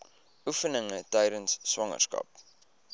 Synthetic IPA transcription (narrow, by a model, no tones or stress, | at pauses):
ufənəŋətɛjɾənsːwɐŋə̰rskɐ̰p̚